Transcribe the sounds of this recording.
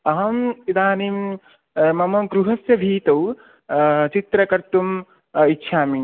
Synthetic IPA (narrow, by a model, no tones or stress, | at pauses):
ɐɦɐmid̪aːnim | mɐmɐɡɾuɦɐsjɐbʱiːt̪ɐw | t͡ʃit̪ɾɐkɐɾt̪um | itːʃʰaːmi